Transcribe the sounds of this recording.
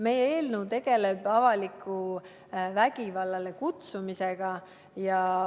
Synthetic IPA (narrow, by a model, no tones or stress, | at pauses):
me̞jeeːlnəwt̪e̞ɡ̥e̞le̞b̥ɑvɑlikʰːˑu | væɡ̥ivɑlːɑlekut̪sumiseɡ̥ɑ | jɑ